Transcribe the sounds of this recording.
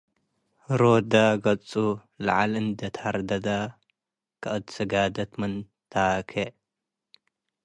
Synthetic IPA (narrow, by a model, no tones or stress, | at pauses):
ɾod̪aɡɐt͡sʼu | lɐʕalɨnd̪ɐt̪ʰaɾd̪ɐd̪a | kʰɨʔɨt̪sɨɡad̪ɐt̪mɨn | t̪ʰakʰe